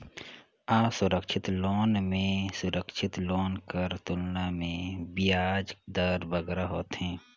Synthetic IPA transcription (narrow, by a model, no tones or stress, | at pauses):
aːsʊɾəkʃɪt̪loːnmẽsʊɾəkʃʰɪt̪loːnkəɾt̪ʊlnamẽbɪjaːd͡ʒd̪əɾbəɡɾaɦoːt̪ɦɛ̃ː